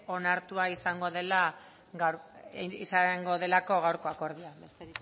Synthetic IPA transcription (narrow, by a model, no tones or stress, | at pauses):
o̞naɾt̪uaisaŋɡo̞ðe̞la | ɣaɾisaŋɡo̞ð̞e̞lako̞ɣ̞awɾko̞ako̞ɾðiabest̪eɾ